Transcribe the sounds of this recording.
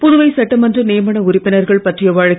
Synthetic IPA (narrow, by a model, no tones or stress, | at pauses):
pʊðʊʋɐɪsɐʈːɐmɐndrɐneːmɐɳɐʊɾɪpːɪnɐɾɣɐɭpɐʈrɪjɐʋaːɻɐk